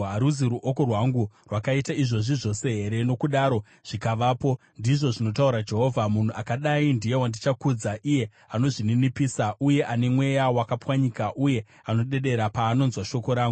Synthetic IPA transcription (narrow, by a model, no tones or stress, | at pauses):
aɾuziɾuʔo̞ko̞rwaŋɡurwakaitaiʐo̞ʐiʐo̞se̞ɦe̞ɾe̞no̞kuɗaːɾo̞ | ʐ̥ikaʋaːpo̞ | ndiʐo̞ʐino̞tauɾad͡ʒe̞ɦo̞ːvʱamun̤uʔakaɗaindije̞wandit͡ʃakud͡zaʔije̞ | ano̞ʐininipiːsaʔuje̞ʔane̞mwe̞jawakapwaɲikaʔuje̞ | ano̞ɗe̞ɗe̞ɾapaːno̞nzwaʃo̞ko̞ɾaːŋɡuu